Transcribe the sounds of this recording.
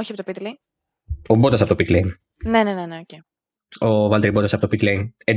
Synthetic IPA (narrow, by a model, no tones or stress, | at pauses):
oçiɐpot̪pit̪liŋ | obot̪ɐs̬ɐpot̪opit̪leŋ | neneneneoce | ovɐlt̪eɾibot̪ɐsɐpot̪opit̪lejŋe